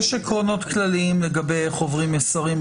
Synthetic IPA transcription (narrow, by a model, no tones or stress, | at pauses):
ʃekʁo̞no̞t̪klaliimleɡabe̞jχo̞vʁimesaʁim